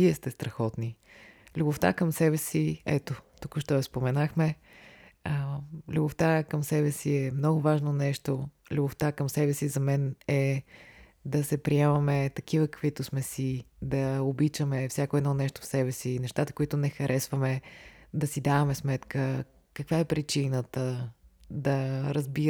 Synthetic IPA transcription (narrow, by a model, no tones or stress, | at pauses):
viɛst̪ɛst̪ɾɐxɔt̪nilʲubʊft̪a̰kəmsɛbɛsiɛt̪ot̪ukʊʃt̪ɔɐspomɛnaxmɛ | əlʲubʊft̪akəmsɛbɛsiɛmnɔɡʊvaʒnonɛʃt̪o | lʲuboft̪akəmsɛbɛsizɐmɛnɛ | d̪ɐsɛpɾiɛmɐmɛt̪ɐkivəkə̥kvit̪ʊsmɛsid̪ɐobit͡ʃəmɛfsʲjakoɛd̪nɔnɛʃt̪ʊ̥fsɛbɛsinɛʃt̪at̪ə̥kʊit̪ʊnɛxɐɾʔɛsvəmɛd̪ɐsid̪avɐmɛsmɛt̪kə | kɐkvaɛpɾit͡ʃinət̪ə | d̪ɐɾəzbi